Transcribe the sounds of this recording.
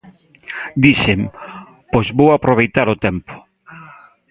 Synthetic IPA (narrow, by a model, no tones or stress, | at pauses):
d̪iʃem | pojzβowapɾoβ̞ejt̪aɾʊt̪ɛmpʊ̥